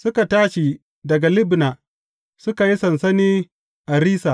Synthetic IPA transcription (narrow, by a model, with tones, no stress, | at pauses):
sʊ˦ka˨taː˦ʃi˨ | dɐ˨ɡa˨lɪ˦bna˨ | sʊ˦ka˨ji˦sɐ˨nsɐ˦niː˦ | ʔa˨ɾiː˦saː˨